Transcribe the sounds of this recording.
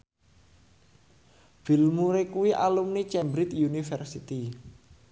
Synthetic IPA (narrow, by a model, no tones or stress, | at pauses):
b̥i̤lmuɾekuwiʔa̰lumnit͡ʃɛmbɾit̪junifɛrsit̪i